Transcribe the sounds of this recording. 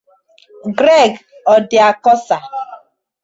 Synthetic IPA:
ɡɾe˦˨ɡɔ˨dɪ˨a˨kɔ˦sa˨

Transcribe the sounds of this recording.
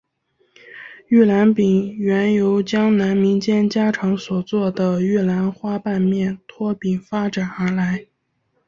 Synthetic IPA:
y˥˩la˧˥npi˨˩ŋɥɛ˧˥njo˧˥ʊt͡ɕjɑ˥ŋna˧˥nmi˧˥ŋt͡ɕjɛ˥nt͡ɕja˥ʈ͡ʂʰɑ˧˥ŋswɔ˨˩t͡swɔ˥˩d̪ə˩y˥˩la˧˥nxwa˥pa˥˧nmjɛ˥˩nt̪ʰwɔ˥pi˨˩ŋfa˥ʈ͡ʂa˨˩nə˞˧˥la˧˥ɪ

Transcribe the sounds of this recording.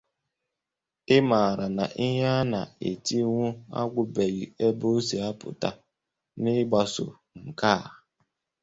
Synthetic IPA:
ɪ˦ma˨ɾa˨na˨ʔi˦ɦa˦na̰˨ḛ˨ti˦ŋʷʊ˦a̰˦ɡʷʊ˨be˨ɣi˨e˦bo˦si˨a˦pʊ̰˨ta˦ | nɪ˦ɡ͡ba˨sʊ̰˨ | ŋ̩˨ka˦˨

